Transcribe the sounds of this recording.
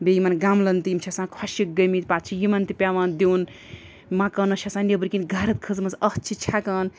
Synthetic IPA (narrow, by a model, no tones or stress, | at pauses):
bejimanɡamlɐnt̪imt͡ʃʰɐsãːnkʰaʃik̚ɡɐmit̪̚pat̪̚t͡ʃʰijimant̪ipʲaʋaːnd̪ewn | mãkɐnɐʃʰɐsãnebɨɾkinɡʱɐɾɐt̪̚kʰɨzmɐsɐt͡ʃʰit͡ʃʰakɐːn